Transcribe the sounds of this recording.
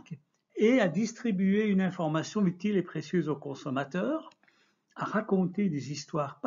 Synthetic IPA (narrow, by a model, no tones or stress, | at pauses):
k | ead̪ist̪χibyeynɛ̃fɔʁmasjɔ̃yt̪ilepχesjøːzokɔ̃sɔmat̪œːʁ | aʁakɔ̃t̪ed̪ezist̪waʁp